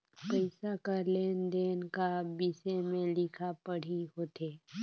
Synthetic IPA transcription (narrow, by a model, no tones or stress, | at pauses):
pəɪsakəɾleːnd̪eːnkabisemẽlɪkʰapɐɽ̤iɦoːt̪eː